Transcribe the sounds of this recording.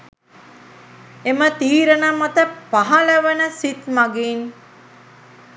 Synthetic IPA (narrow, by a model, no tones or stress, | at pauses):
emət̪iːɾənamːɐt̪əpɐɦɐləʋənəsit̪mɐɡiːn